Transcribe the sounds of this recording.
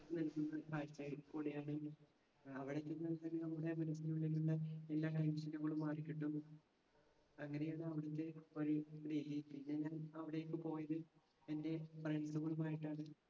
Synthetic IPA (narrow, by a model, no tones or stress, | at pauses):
nilkːunːɐkaːjt͡ɕːɐjiɭkoːɽejaːɳɨ | ɐʋiɽet̪ːenːɐlk̪ɐnɐɐmuɽemɐnɐsiɲuɭːiluɭːɐelːaːʈɐjmsilːɐɣɐɭumːaːrikʲːiʈːum | ɐŋːɐne̞jaːɳɨɐʋiɽut̪ːe̞o̞ɾuɾeːɦit̪ːinːeɲaːnɐʋiɽejokːɨpo̞ːjɐðɨ | ende̞preɳsuɣɐɭumaːjiʈːaːɳɨ